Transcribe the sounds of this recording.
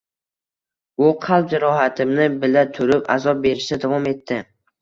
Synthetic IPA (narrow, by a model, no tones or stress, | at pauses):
ʊqʰɑlˠp̚d͡ʒɪɾɒɦat̪ʰɪmnɪbɪlat̪ʰʊɾɪpa̰zɒp̚be̞ɾɪʃt̪ad̪avɒme̞t̪ːɪ